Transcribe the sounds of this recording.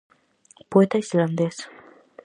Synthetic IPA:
poet̪aisland̪es

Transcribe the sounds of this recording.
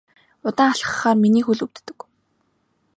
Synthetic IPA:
ʊt̪aːŋaɬχə̆χaːrminiːxuɮɵ̆wt̪ːɵ̆k

